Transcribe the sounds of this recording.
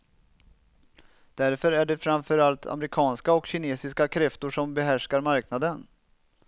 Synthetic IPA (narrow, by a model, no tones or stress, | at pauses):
d̪̥æɾfœɾæɖɛfɾamfœɾalt̪ʰa̰mɾɪkʰɑːnskaɔkɕɪneːsɪskakʰɾɛft̪ʊʂɔmbɛɦæʂkaɾmaɾknad̪ən